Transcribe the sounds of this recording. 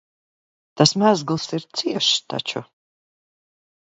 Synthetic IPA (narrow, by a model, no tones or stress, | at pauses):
t̪asmʲæzɡlˠsiɾt̪siɛʃst̪a̰t͡ʃṵ